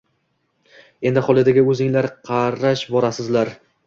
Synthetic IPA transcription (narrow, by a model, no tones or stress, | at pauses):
e̞nd̪ɪχɒlˠɪd̪aɡʲɪɵzɪŋlaɾqʰɑɾaʃbɒɾasɪzlaɾ